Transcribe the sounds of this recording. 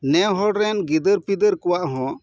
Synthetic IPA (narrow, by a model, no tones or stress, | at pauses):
nɛɦɔɽɾɛnɡid̪əɾpid̪əɾkɔwaʔɦɔ̃